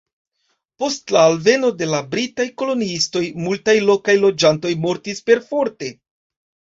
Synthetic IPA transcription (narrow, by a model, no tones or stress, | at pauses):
po̞stlaːlve̞no̞de̞labɾitajko̞loniisto̞jmultajlo̞kajlo̞d͡ʒanto̞jmo̞ɾtispe̞ɾfo̞ɾte̞